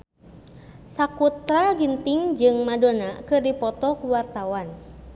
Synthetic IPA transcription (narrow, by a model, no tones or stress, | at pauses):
sakut̪ɾaɡint̪ɪŋd͡ʒɨŋmadonakɨrdipɔt̪ɔkuwart̪awan